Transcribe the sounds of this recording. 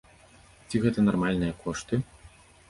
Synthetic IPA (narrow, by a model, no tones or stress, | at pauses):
t͡sʲiɣɛt̪ɐnarmalʲnɨjɐkʰɔʂt̪ɨ